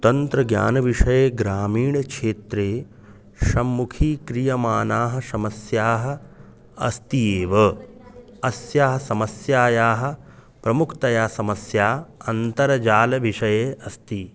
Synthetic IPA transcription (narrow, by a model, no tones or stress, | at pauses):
t̪ɐnt̪ɾɐɡja̰ːnɐʋiʂɐjeːɡɾaːmiːɳɐkʂeːt̪ɾeː | ʃɐmːukʰiːkɾijɐmaːnaːɦɐ̆ʃɐmɐsjaːɦɐ̆ | ɐ̰st̪ieːʋɐ | ɐsjaːɦɐsɐmɐsjaːjaːɦɐ̆ | pɾɐmukʰt̪ɐjaːsɐmɐsjaːɐnt̪ɐɾɐd͡ʒaːlɐʋiʂɐjeːʔɐst̪i